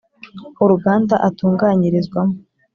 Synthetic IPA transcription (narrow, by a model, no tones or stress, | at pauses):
uɾuɡaːndaʔatuːŋɡaːɲiɾizɡwamo